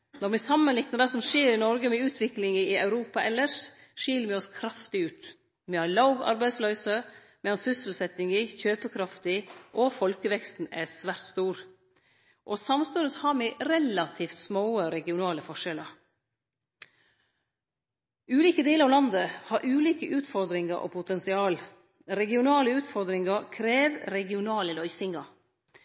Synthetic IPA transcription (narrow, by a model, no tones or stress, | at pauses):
nɔɾmɛsɑmənlɪknəd̪ɛsɔmʂeːɾɪnɔɾɡəmɛʉːt̪ʰʋɪklɪŋəɪɑʉɾuːpɑʔɛlːəʂʂiːləmɪɔskʰɾɑft̪ɪʉːt̪ | mɛhɑɾɭɑʊɡɑ̰ɾbæɪsløːsə | mɛɑnsʏsl̩sɛt̪ɪŋɪçøːpəkʰɾɑft̪ɪʔɔfɔlkəʋɛkst̪n̩æsʋæːɾt̪st̪uːɾ | ʔoːsɑmst̪ʉnət̪hɑɾmɛɾɛlɑt̪ʰiːft̪smoːəɾɛɡɪʊnɑːləfɔʂɛləɾ | ʉːliːkəd̪eːləɾɑʋlɑnd̪əhɑːɾʔʉːliːkəʔʉːt̪fɔɾd̪ɾɪŋəɾʔo̰pʰʊt̪ɛnsɪɑːl | ɾɛɡɪʊnɑːləʉːt̪fɔɾd̪ɾɪŋɑɾkʰɾeːʋɾɛɡɪʊnɑːləlœʏsɪŋɑ